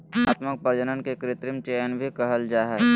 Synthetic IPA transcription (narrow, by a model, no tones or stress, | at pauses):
aːt̪mək̚pəɾd͡ʒənənkekɾɪt̪ɾɪmt͡ʃeːjənbʱikɐɦəld͡ʒaːɦɛː